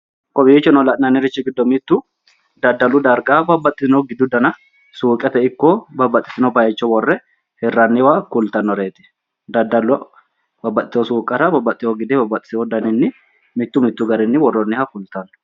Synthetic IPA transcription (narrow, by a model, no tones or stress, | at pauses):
kʼɔbiːt͡ʃːɔnɔlɐʔnɐnːɪɾɪt͡ʃːɪɡɪd̪ːɔmɪt̪ːʊ | d̪ɐd̪ːɐlːʊd̪ɐɾɡabɐbːɐt̪ʼːɪsɪnɔɡɪd̪ːʊd̪ɐnɐ | suːkʼːɛt̪ɛɪkːɔbɐbɐt̪ʼːɪ̥t̪ɪnɔbɐjɛt͡ʃːɔwɔrːɛ | hɛrːɐnːɪwakʊlt̪ɐnːɔɾeːt̪ɪ̥ | d̪ɐd̪ːɐlːʊ | bɐbːɐt̪ʼːɪt̪ɪɔsuːkʼɐɾɐbɐbːɐt̪ʼːɪwɔɡɪd̪ɛbɐbːɐt̪ʼːɪ̥sɪɔd̪ɐnɪnːɪ | mɪt̪ːʊmɪt̪ːʊɡɐɾɪnːɪwɔrːɔnːɪhɐkʊlt̪ɐnːɔ̥